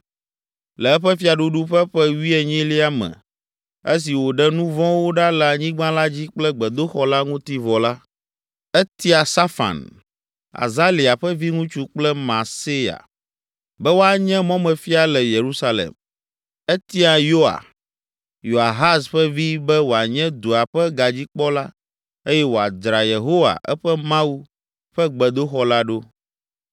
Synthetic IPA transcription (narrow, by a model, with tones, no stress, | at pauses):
lɛ˨ɛ˦ɸɛ˦fi˦a˨ɖu˦ɖu˦ɸɛ˦ɸɛ˦wi˦ɛ˨ɲĩ˦li˦a˦mɛ̰̃˨ | e˦s̬i˨wo˨ɖɛ˦nũ˦vɔ̃˦wo˦ɖa˦lɛ˨a˨ɲĩ˦ɡ͡bã˦la˦d͡ʑi˦k͡plɛ˦ɡ͡bɛ˨d̪o˦xɔ˦la˦ŋũ˦t̪i˦vɔ˨la˦ | ɛ˦t̪i˦a˨sa˦fa̰˨n | a̰˨za˦li˨a˨ɸɛ˦vi˦ŋũ˦t͡ʃu˦k͡plɛ˦mã̰˨se˦ja̰˨ | bɛ˦wo˦a˨ɲɛ̃˦mɔ̃˦mɛ̃˨fi˦a˨lɛ˨je˨ɾu˦sa˦lɛ̰˨m | ɛ˦t̪i˦a˨jo˦a̰˨ | jo˨a˨ɦa˦sɸɛ˦vi˦bɛ˦wo˨a˨ɲɛ̃˦d̪o˨a˨ɸɛ˦ɡa˨d͡ʑi˦k͡pɔ˦la˦ | e˦jɛ˦wo˨a˨d̪ɾa˨je˨ɦo˦wa̰˨ʔɛ˦ɸɛ˦mã˦wu˦ | ɸɛ˦ɡ͡bɛ˨d̪o˦xɔ˦la˦ɖo˦